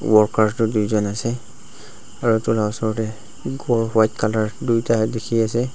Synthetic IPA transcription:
wɔɹkaɹstʊdujzɔnasɛ | aɹutulaɔsɔɹtɛ | ɡɔɹwajtkalaɹdujtadekʰiasɛ

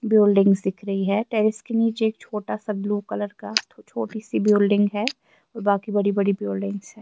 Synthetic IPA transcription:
bjoːlɖɪ̃ŋɡsd̪ɪkʰɾɐɦiɦɛːʈɛːɾɪskeniːt͡ʃeeːk̚t͡ʃʰoːʈasabluːkɐləɾkat͡ʃʰoːʈisibjoːlɖɪ̃ŋɡɦɛ | ɔːɾbaːkibɐɽibɐɽibjoːlɖɪ̃ŋɡsɦɛː

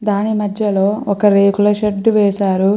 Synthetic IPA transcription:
d̪aːnimɐd̪ʱjɐlo̞ːɔkɐɾeːkulɐʃeɖːuʋɛːʃaːɾu

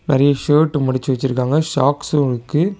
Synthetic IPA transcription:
nɪɾɐjɐʂoːʈːɯmʊɽɪt͡ʃːɯʋɐt͡ʃːɪɾɯkːaːŋɡɐʂaːkslɯkːɯ

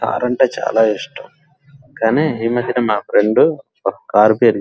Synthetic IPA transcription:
ka̰ːɾɐɳʈeːt͡ʃa̰ːlaːiʂʈɐm | kaːneːiːmɐd̪ʱːiɐnemaːpʰɾeɳɖu | okɐ̥kaːɾbiɐɾɡ

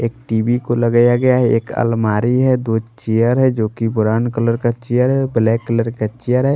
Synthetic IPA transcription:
eːk̚ʈiːbikoləɡjaɡɐjaɦɛeːkə̰lmaːɾiɦɛd̪ot͡ʃejəɾɦɛd͡ʒoːkibʊɾaːnkələɾkat͡ʃijəɾɦɛblɛkːələɾkat͡ʃijəɾɦɛ

